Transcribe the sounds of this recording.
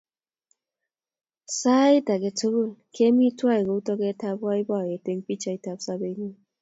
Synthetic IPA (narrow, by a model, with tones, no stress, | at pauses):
saː˦i˦ta˨ke˨to˦bo˦˨lkʰe˦mi˦twa˦e˨ɣo˨u˦tɔ˦ke˦ta˦pwa˦i˦ba˦˨je˨te˨ŋ˦pi˦t͡ʃa˦i˦ta˨p̚sa˦be˨˦ŋi˦